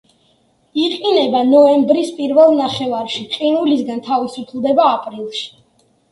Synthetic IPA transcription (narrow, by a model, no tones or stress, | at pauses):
iqʼinɛbanɔɛmbɾispʼiɾvɛlˠnaχɛvaɾʃiqʼinulisɡant̪ʰavisupʰlˠd̪ɛbaːpʼɾilˠʃi̥